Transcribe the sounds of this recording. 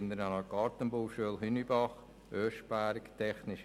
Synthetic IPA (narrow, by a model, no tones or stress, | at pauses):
nd̪əɾnɑnɑɡ̥ɑːɾt̪ənbuwʃyəlɦʏnibɑχ | øːʃbæɾkt̪ʰɛχnɪʃ